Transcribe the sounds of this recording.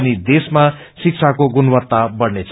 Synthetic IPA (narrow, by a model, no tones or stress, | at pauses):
nid̪esma | sik̚t͡sʰakoɡunbʌt̪ːabʌɽnet͡sʰ